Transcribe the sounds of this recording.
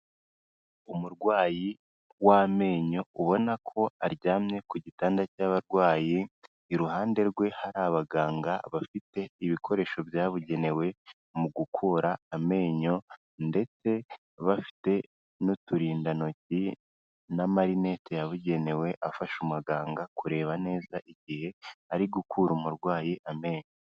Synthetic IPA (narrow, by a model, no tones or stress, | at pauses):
umuɾɡwaːji | wame̞ːɲo̞uβo̞nakʰo̞aɾɟaːmɲe̞kuɟitaːndacaβaɾɡwaːjiː | ɾuhaːnde̞ɾɡwe̞haɾaβaɡaːŋɡaβafite̞iβikʰo̞ɾe̞ːʃo̞bjaːβuɟe̞ne̞we̞ | muɡukʰuɾaːme̞ːɲo̞ | nde̞t͡se̞ | βafi̥te̞ | notuɾiːndano̞ci | namaɾine̞tejaβuɟe̞ne̞we̞ʔafaʃumaɡaːŋɡakuɾe̞ːβane̞ːzaʔiɟihe̞aɾiɡukʰuːɾumuɾɡwaːjiʔame̞ːɲo